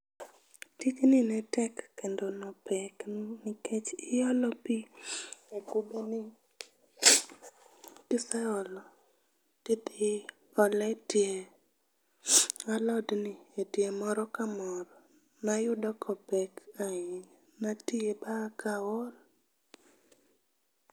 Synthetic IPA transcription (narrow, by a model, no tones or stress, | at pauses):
tiknɪnɛtɛkːendonɔpɛknɪket͡ʃɪɔlɔpi | ekubenɪ | tɪsaɔlɔ | tit̪ɪ | ɔlɛtje | alɔdnɪetjemɔɾɔkamɔɾɔ | najʊdɔkʰɔpɛkaɪɲ | natiebakawɔl